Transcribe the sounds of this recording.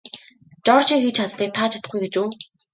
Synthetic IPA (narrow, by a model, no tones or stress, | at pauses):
t͡ɕɔrt͡ɕiːxet͡ɕʰat͡s̪t̪iːk̚t̪ʰaːt͡ɕʰḁt̪ə̥̆χɡujɡet͡ɕuː